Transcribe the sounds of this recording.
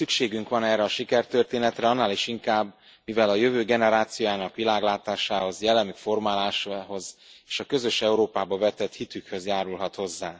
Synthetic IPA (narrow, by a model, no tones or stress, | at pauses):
sykʃeːɡyŋkʋɒnɛːrːɛɒʃikɛrt̪ø̞rt̪eːnɛt̪rɛɒnːaːliʃiŋkaːbː | mivɛlɒjøvøːɡɛnɛɾaːt̪sijojaːnɒkʋilaːɡlaːt̪aːʃaːho̞zjɛlːɛmykfo̞rmaːlaːʃɦo̞zeːʃɒkø̞zø̞ʃɛuɾoːpaːbɒvɛt̪ɛt̪hit̪ykhø̞zjaːɾulɦɒt̪ho̞zːaː